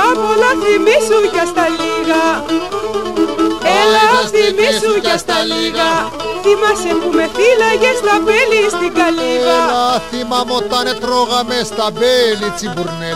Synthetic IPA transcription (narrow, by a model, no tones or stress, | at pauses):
aβolaθimisucast̪aliɣa | ɛlaθimisucast̪aliɣɣa | θimasɛmpumeθilaɣɛslapɛlist̪iɡaliɣaaθimamot̪anɛt̪ɾɔɣamɛst̪abɛlit͡sibuɾnɛ